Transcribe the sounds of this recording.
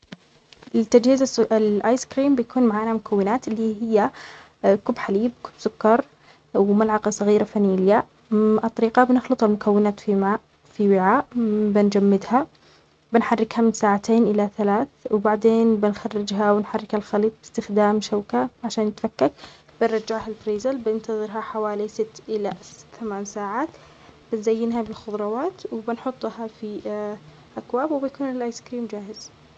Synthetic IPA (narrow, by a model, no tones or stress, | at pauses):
ʔɪt̪ːad͡ʒhiːzaɪlʔaːjskɾiːmbɪjakuːnmaʕaːnamʊkʰawːɪnaːt̪ɪlːiɦɪjːa | kʊbːħaliːb̚kʊ̥bsʊkːɑɾˤ | wmalʕɑqɑsˤɑɣiːɾafanilja | ʔɑt̪ˤːɑɾiːqɑbnɪxlɨt̪ˤalmʊkawːɪnaːt̪fimaʔ | fiwɪʕaːʔbɪnd͡ʒamːɪd̪ha | bɪnħarːɪkhamsaːʕat̪eːnʔɪlaθalaːθwɪbaʕd̪eːnbɪnxarːɪd͡ʒɦawɪnħarːɪkhalxaliːt̪̚ˤbɪ̥st̪ɪxd̪aːmʃawkaʕaʃaːnɪt̪fakːak̚ | b̥ɪnɾˤɑd͡ʒɪʕhalbɾiːzalbɪnt̪ɑðˤɨɾɦaħawaːlisɪt̪ːʔɪlaθamaːnsaːʕaːt̪ | bɪnzajːɪnɦabɪlxʊðˤɾˤɑwaːt̪wɪbɪnħʊt̪ˤːhafi | ʔakwaːbwbɪjkuːnɪlʔaːjskɾiːmd͡ʒaːhɪz̥